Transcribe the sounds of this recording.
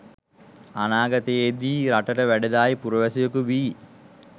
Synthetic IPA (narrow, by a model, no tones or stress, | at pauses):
anaːɡɐt̪ejed̪iːɾaʈəʈəʋæɖed̪aːjpuɾəʋæsijokuʋiː